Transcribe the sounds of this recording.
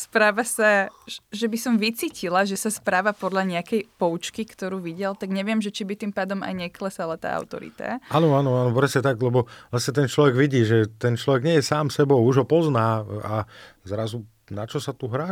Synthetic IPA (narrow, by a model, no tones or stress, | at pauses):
spɾaːʋasaʒɛbisɔmʋit͡siːcʰilaʒɛsaspɾaːʋapɔd̪laɲɛakɛjpɔut͡ʃkikt̪ɔɾuːʋiɟɛlt̪aɡɲɛʋɪɛmʒɛt͡ʃibit̪impaːd̪ɔma̰jɲɛklɛsalat̪a̰ːʔa̰ʊt̪ɔ̰ɾḭt̪a̰aːnɔaːnɔaːnɔpɾɛsɲɛt̪aɡlɛbɔlasɲɛt̪ɛnt͡ʃlɔʋɛɡʋiɟiːʒɛt̪ɛnt͡ʃlɔʋɛɡɲɪɛjɛsaːmsɛbɔʊuʒɦɔpɔznaːazɾazu | nat͡ʃɔsat̪uɦɾaː